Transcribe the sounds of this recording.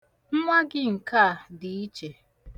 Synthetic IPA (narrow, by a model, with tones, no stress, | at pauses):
m̩˦mʷa˦ɡɪ˦ŋ̩˨ka˦˨a˨dɪ˨i˦t͡ʃe˨